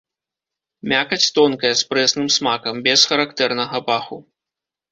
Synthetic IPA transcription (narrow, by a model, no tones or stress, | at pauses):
mʲakɐt͡sʲt̪ɔnkɐjɐspɾɛsnɨmsmakɐmbʲɛsxɐɾakt̪ɛrnɐɣɐpaxu